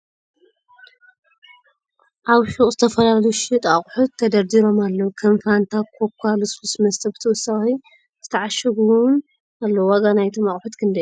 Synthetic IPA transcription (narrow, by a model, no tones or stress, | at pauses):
ʔaβʃukʼzɨt̪ʰɐfɐlaljʃɪt̪ʼaχʼħut̪ʰːɐd̪ɐɾd̪iɾo̞malːɐwkʰonfɾant̪ʰakʰokʰalususmɐst̪ʰɐbɨt̪ʰɐwʊsːaxi | z̥ɨt̪ʰɐʕaʃɐɡuwn | alːɐwwaɡanajt̪ʰomaχʼħut̪kʰɨnd̪ɐju